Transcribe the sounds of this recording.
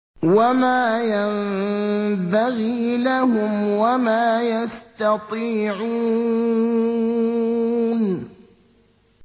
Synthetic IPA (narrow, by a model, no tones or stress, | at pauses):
wamaːjam | baɣiːlahʊmwamaːjast̪ɑt̪ˤiːʕuː | n